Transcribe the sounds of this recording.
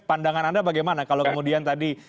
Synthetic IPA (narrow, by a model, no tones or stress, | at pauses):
pandaŋanandabaɡajmanakalokəmudiant̪adi